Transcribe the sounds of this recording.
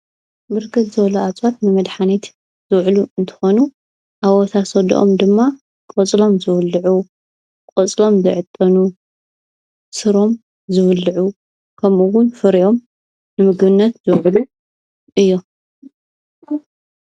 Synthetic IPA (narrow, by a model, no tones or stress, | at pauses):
bɨɾkʰɨt̪zɨβɐluat͡sʼwat̪nɨmɐd̪ħanit̪ | z̥ɨwʕluɨnt̪ʰɨ̥xonu | ʔawɔt̪ʰasɐd̪̰ʔomd̪ɨmːa | kʼɔt͡sʼlo̞mzɨβɨlːɨʕu | kʼɔt͡sʼlo̞mzɨʕɨt̪ʼːɐnu | sɨɾo̞m | zɨβɨlːɨʕu | kʰɐmuwʊnfɨɾiʔo̞m | nɨmɨɡbɨnːɐt̪zɨwʕlu | ʔɨjːo̞